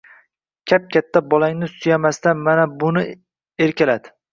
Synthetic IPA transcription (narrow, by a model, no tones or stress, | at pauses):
kʲʰap̚kʲat̪ʰːabɒlaŋnɪsʊjamast̪anmanabʊnɪ | e̞ɾkʲalad̪ɪ